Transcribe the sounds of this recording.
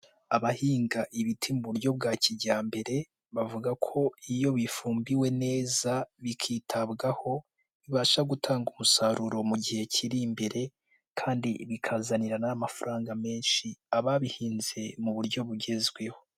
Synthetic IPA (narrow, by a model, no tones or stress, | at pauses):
aβahiːŋɡaʔiβitʰimuβuɾɟo̞b̚ɡaːciɟaːmbe̞ɾe̞ | βavuɡakʰo̞ijo̞βifuːmbiwe̞ne̞ːzaβikʰiːtʰabɡaho̞ | βiβaːʃaɡutʰaːŋɡumusaɾuɾo̞muɟihe̞cʰiɾimbeɾe̞ | kʰaːndḭβikʰazaniɾanaːmafaɾʔaːŋɡame̞ːnʃiaβaβihiːnze̞muβuɾɟo̞βuɟe̞zɡwe̞ho̞